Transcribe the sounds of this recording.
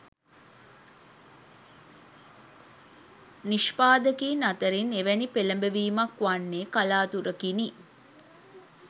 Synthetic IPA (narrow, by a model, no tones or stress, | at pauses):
niʃpaːd̪əkiːnat̪əɾineʋænipeləmbeʋiːmɐkʋanːeːkalaːt̪uɾəkini